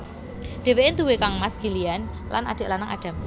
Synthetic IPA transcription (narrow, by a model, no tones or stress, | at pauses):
ɖ̪̥e̤weʔɪnt̪uwekaŋmasɡ̥i̤lijan | la̰na̰d̪̥ə̤ʔlanaŋa̰ɖ̥a̤m